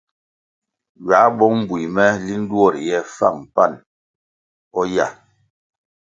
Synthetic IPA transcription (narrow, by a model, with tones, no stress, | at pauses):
ɥa˨˦bɔ˦m̩˦bwi˨mɛ˦li˦n̩˦du˦ɔ˦˨ɾjɛ˦fa̰˦˨ŋm˨pa˦˨n | ɔ˦ja̰˨